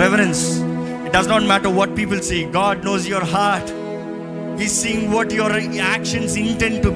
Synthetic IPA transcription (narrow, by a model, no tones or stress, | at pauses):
ɛʋəɾə̃ns | ɪʈ̚ɖɐznɔːʈ̚mæʈəɾʋɔʈ̚piːpəlseːɡɔːɖ̚noːzjɔɾɦaɾʈ | izsiːɪ̃ŋɡʋɔʈjɔɾækʃə̃nsɪ̃nʈɛ̃ɳɖ̚ʈu